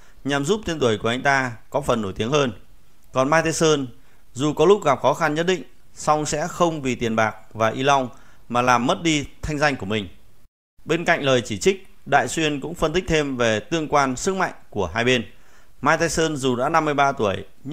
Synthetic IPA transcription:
ɲa˨˩mzu˦˥p̚t̪ʰe˧nt̪u˧˩əjku˧˩əa˧jŋ̟t̪aː˧kɔ˨˦fə˨˩nːo˧˩jt̪i˨˦əŋhəː˧n | kɔ˨˩nmaː˧jt̪e˧səː˧n | zu˨˩kɔ˨˦lʊ˦˥k̚ɣa˨˩p̚xɔ˨˦xa˧nɲə˦˥t̚ɗḭ̈˧˨ŋ̟ | sa˧wŋ͡msɛ̰˧˥xə˧wŋ͡mvi˨˩t̪i˨˩ənɓaː˨˩k̚vaː˨˩ʔi˧la˧wŋ͡m | maː˨˩laː˨˩mːə˦˥t̚ɗi˧t̪ʰa˧jŋ̟za˧jŋ̟ku˧˩əmï˨˩ŋ̟ | ɓe˧nka̰˧˨jŋ̟ləː˨˩jt͡ɕi˧˩t͡ɕï˦˥k̚ | ɗa̰ː˧˨jswi˧ənkʊ̰˧˥ŋ͡mfə˧nt̪ï˦˥k̟̚t̪ʰe˧mve˨˩t̪ɨ˧əŋkwaː˧nsɨ˦˥k̚ma̰˧˨jŋ̟ku˧˩əɦaː˧jɓe˧n | maː˧jt̪e˧səː˧nzu˨˩ɗa̰ː˧˥na˧mːɨ˧əjɓaː˧t̪u˧˩əj

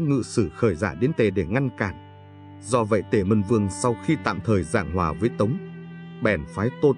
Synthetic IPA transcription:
ŋɨ̰˧˨sɨ˧˩xəː˧˩jzaː˧˩ɗe˨˦nt̪e˨˩ɗe˧˩ŋa˧nkaː˧˩n | zɔ˧və̰˧˨jt̪e˧˩mə˧˩nvɨ˧əŋsa˧wxi˧t̪a̰ː˧˨mt̪ʰəː˨˩jza̰ː˧˨ŋɦwaː˨˩vəː˨˦jt̪ə˨˦wŋ͡m | ɓɛ˨˩nfaː˨˦jt̪o˧

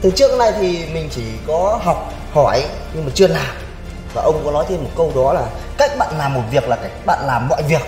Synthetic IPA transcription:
t̪ʰɨ˨˩˦t͡ɕɨ˦˥ək̚na˧jt̪ʰi˨˩mï˨˩ŋ̟t͡ɕi˧˩kɔ˨˦ɦa˨˩wk͡p̚ | hɔ˧˩j | ɲɨ˧ŋmaː˨˩t͡ɕɨ˧əlaː˨˩m | vaː˨˩ʔə˧wŋ͡mkɔ˨˦nɔ˨˦jt̪ʰe˧mo˨˩t̚kə˧wɗɔ˨˦laː˨˩ | ka˦˥jk̚ɓa̰ː˧˨nlaː˨˩mːo˨˩t̚vi˨˩ək̚laː˨˩kaː˧˩jk̚ɓa̰ː˧˨nlaː˨˩mːɔ̰˧˨jvi˨˩ək̚

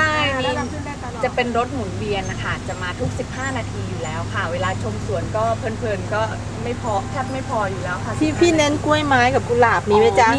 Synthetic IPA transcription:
a˥˩jmiː˧ | t͡ɕa˨˩pe˧nɾo˦˥t̪̚mu˨˩˦nbi˧ənʔa˧kʰa˦˥˩t͡ɕa˨˩maː˧t̪ʰu˦˥k̚si˨˩p̚haː˥˩naː˧t̪ʰiː˧juː˨˩lɛː˦˥wpʰaː˨˩weː˧laː˧t͡ɕʰo˧msu˨˩ənkɔː˥˩pʰɤː˧npʰɤː˧nkɔː˥˩ | ma˥˩jpʰɔː˧kʰaː˥˩t̪̚ma˥˩jpʰɔː˧juː˨˩lɛː˦˥wkʰa˥˩tʰiː˥˩p̪ʰiː˥˩ne˦˥nku˥˩əjmaː˦˥jka˨˩p̚kuː˧laː˨˩p̚miː˧wa˦˥jt͡ɕa˧

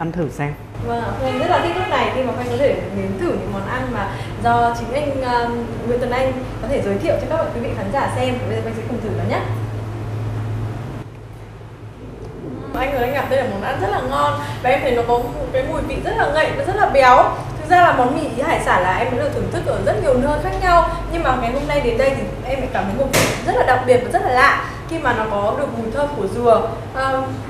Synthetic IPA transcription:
ʔa˧nt̪ʰɨ˧˩sɛ˧m | vaː˨˩ŋ˨˩˧ʔa˧ŋi˦˥laː˨˩t̪ʰi˦˥t̪ʰːk̚na˨˩jxi˧maː˨˩kɔ˧ŋ̟kɔ˨˦t̪ʰe˧˩˨ɗe˨˦nt̪ʰɨ˧˩ɲɨ̰˧˥ŋmɔ˨˦nʔa˧nmaː˨˩ | zɔ˧t͡ɕï˨˦ŋ̟ʔa˧jŋ̟ː˧ | ŋwi˨˦nt̪wə˨˩nʔa˧jŋ̟ | kɔ˨˦t̪ʰe˧˩zəː˨˦jt̪ʰḭ˧˨wt͡ɕɔ˧ŋ͡mkaː˦˥k̚mɔ̰˧˨˩kwi˨˦vḭ˧˨xaː˨˦nzaː˧˩sɛ˧m˨˩˧zʔŋsɛ˧˥xə˧˩ŋ͡mt̪ʰɨ˧˩ɗa˨˦ɲə˦˥t̚ | ʔa˧jŋ̟ɨ˨˩ʔa˧ŋ̟ɣa˨˩t̪ə˧jʔəː˧˩mɔ˨˦nʔa˧nzə˦˥t̚laː˨˩ŋɔ˧nvaː˨˩ʔɛ˧mʰə˨˩nɔ˨˦kɔ˨˦mo˨˩t̚kaː˨˦jmu˨˩jvḭ˧˨zə˦˥t̚laː˨˩ŋə̰˧˨jvaː˨˩zt̚laː˨˩ɓja˨˦wt̪ʰɨ˨˩k̚zaː˧laː˨˩mɔ˨˦nmḭ˧˨ʔi˨˦haː˧˩jsaː˧˩laː˨˩ʔɛ˧mə˨˦lɨ˧˩t̪ʰɨ˧˩ŋt̪ʰɨ˦˥k̚ʔəː˧˩zə˦˥t̚ɲi˨˩əwnəː˧jxaː˦˥k̚ɲa˧wɲɨ˧ŋmaː˨˩˨ŋa˨˩jɦo˧mna˧jɗe˨˦nɗə˧jt̪ʰi˨˩ | ʔɛ˧mɛ̰˧˥kaː˨˧˩ɲə̰˨˦ŋmo˨˩t̚ɗḭ˧˩˨zə˦˥t̚laː˨˩ɗa˨˩k͡p̚ɓi˨˩ət̚vaː˨˩z̥t̚laː˨˩la̰ː˧˨ | xi˧maː˨˩nɔ˨˦kɔ˨˦ɗɨ˨˩ək̚mu˨˩jt̪ʰəː˧ku˧˩əzɨ˨˩ə | ʔəː˨˩

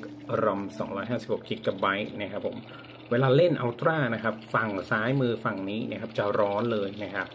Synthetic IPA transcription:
ɾo˧msɔ̰ː˩˦ŋɾɔː˦˥jɦaː˥˩si˨˩p̚ho˨˩kːi˨˩t̪̚ka˨˩ba˦˥jna˦˥kʰa˦˥pʰːo̰˨˩˦m | weː˧laː˧le˥˩nʔa˧wt̪ɾaː˥˩na˦˥kʰa˦˥p̚fa˨˩ŋsaː˦˥jmɯː˧fa˨˩ŋniː˦˥na̰˥˩kʰa˦˥p̚t͡ɕa˨˩ɾɔː˦˥nlɤː˧jna˦˥kʰa˦˥p̚

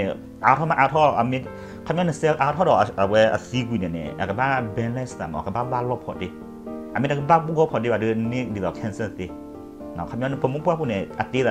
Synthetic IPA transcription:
ʔa˨˧˨tʰɔ˦ma˧ʔa˧˦tʰɔ˦a̰˨mi˦ | kʰa˧˦mjɔ˦nɛ˧˨sɛ˦˧lʔa˧˦tʰɔ˦dɔ˨a˨a˨wɛ˧a̰˨θi˦ɡwi˨nɛ˨nɛ̰˨a̰˨ka˨ba˦bɛ˧˦nlɛ˦sta˨mɔ̰˨ka˨ba˦ba˦lɔ˦pʰɔ̰˨de˧˦ | a˨mi˦a˨kɨ˦ba˦bu˦ɡɔ˦pʰɔ˨de˦˨a˨dɨ˧ne˦di˨dɔ˨kʰɛ˧˦nsə˦˨t̪e˧˦˨ | nɔ˨kʰa˧˦mʲjɔ˦nɛ˧˨pʰə˧˨mu˦pu˦a˦pu˦˧˨nɛ˨a˨te˦ða˨

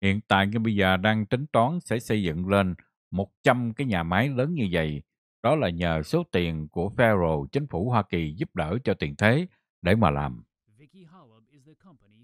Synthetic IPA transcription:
hḭ˧˨ənt̪a̰ː˧˨jŋaː˧˩ɓə˧jzəː˨˩ɗaː˧ŋt̪ï˨˦ŋ̟t̪waː˨˦nsɛ̰˧˥sə˧jzɨ̰˧˨ŋle˧n | mo˨˩t̚t͡ɕa˧mkaː˨˦jɲaː˨˩maː˨˦jləː˨˦nɲɨ˧və̰˧˨j | ɗɔ˨˦laː˨˩ɲəː˨˩so˨˦t̪i˨˩ənku˧˩əfɛ˧zo˨˩t͡ɕï˨˦ŋ̟fu˧˩ɦwaː˧ki˨˩zu˦˥p̚ɗəː˧˩t͡ɕɔ˧t̪i˨˩ənt̪ʰe˨˦ | ɗe˧˩maː˨˩la̰ː˨˩m

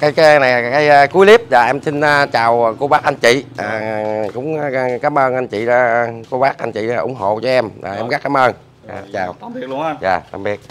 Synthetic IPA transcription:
kaː˨˦jkːna˨˩ja˨˩kaː˨˦jku˨˦jli˦˥əp̚zaː˨˩ʔɛ˧msi˧n̟ː˧t͡ɕaː˨˩wko˧ɓaː˦˥k̚ʔa˧nt͡ɕḭ˧˨ʔaː˨˩kʊ̰˧˥ŋ͡mkaː˨˦mʔəː˧nʔa˧nt͡ɕḭ˧˨a˧ko˧ɓaː˦˥k̚ʔa˧nt͡ɕḭ˧˨aː˨ʔʊ˨˩˦ŋ͡mɦo̰˧˨t͡ɕɔ˧˦ʔɛ˧ma̰ː˨˩ʔɛ˧mɣa˦˥k̚ːaː˨˦mʔəː˧n | aː˨˩t͡ɕaː˨˩wjaː˨˩t̪a̰˧˩mɓi˦ək̚

